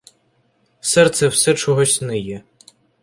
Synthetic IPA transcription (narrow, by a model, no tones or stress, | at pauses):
sɛrt̪sɛwsɛt͡ʃɔɦɔsʲnɪjɛ